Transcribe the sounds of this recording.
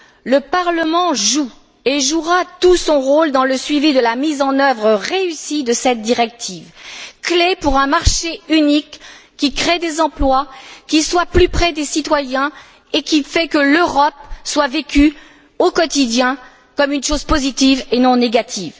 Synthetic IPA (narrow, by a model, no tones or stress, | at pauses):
ləpaʁləmɑ̃ʒu | eʒuʁat̪usɔ̃ʁold̪ɑ̃ləsɥivid̪əlamizɑ̃nœvʁəʁeysid̪əsɛt̪̚d̪iʁɛk̚t̪ʰivklepuʁɛ̃maʁʃeynikː | ikχed̪ezɑ̃plwakʲiswaplypχɛd̪esit̪wajɛ̃ | ekʲifɛkəløʁɔp̚swavekʲy | okɔt̪id̪jɛ̃ | kɔmynʃozpozit̪ivenɔ̃neɡat̪ʰiːv